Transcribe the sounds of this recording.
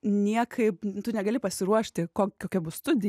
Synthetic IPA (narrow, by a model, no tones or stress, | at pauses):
nʲiɛkʰɐɪpt̪ʊnʲɛɡɐlʲɪpɐsʲɪɾuɔʃʲt̪ʲɪkoːkʲkoːkʲɛbʊst̪ʊd̪ʲɪ